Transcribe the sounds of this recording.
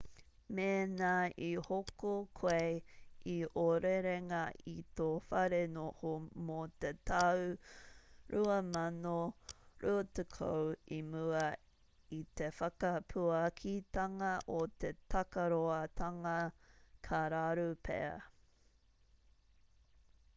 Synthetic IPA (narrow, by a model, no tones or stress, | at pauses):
meːnaihokokʰejiʔoɾeɾeŋɐit̪ofɐɾenohomot̪etɐw | ɾʔuɐmɐnoɾʔuɐt̪ekʰo̰wimuɐ | it̪efɐkɐpʰuɐkʰit̪ɐŋɐʔot̪e̞t̪ʰɐkɐɾoɐt̪ʰɐŋɐkʰaɾaɾupʰḛɐ̰